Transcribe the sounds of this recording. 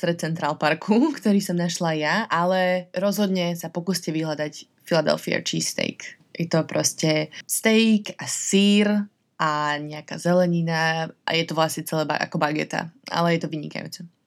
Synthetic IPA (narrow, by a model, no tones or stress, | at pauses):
t̪ɾɛt̪̚t͡sɛnt̪ɾaːlpaɾkʰukt̪ɔɾiːsɔmnaʃlajaʔalɛɾɔzɦɔd̪ɲɛsapɔkuːscɛʋiɦlad̪ac | filad̪ɛ̰lfia̰t͡ʃiːst̪ɛ̰jk | jɛt̪ɔpɾɔscɛst̪ɛjkasiːɾ | ʔaɲɛaka̰zɛlɛɲinaʔa̰jɛt̪ɔʋlasɲɛt͡sɛlɛːba̰ʔa̰kɔbaɡɛ̰t̪a̰ʔa̰lɛjɛt̪ɔʋiɲḭka̰jṵːt͡sɛ